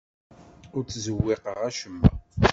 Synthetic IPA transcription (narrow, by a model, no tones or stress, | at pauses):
ʊɾt͡sːzəwːɪqəʁæʃəmːæ̰